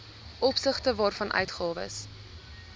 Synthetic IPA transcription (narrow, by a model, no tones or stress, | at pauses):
ʔɔpsəχtəvɑːrfɐnʔœ̰ɥtχɑːvə̰s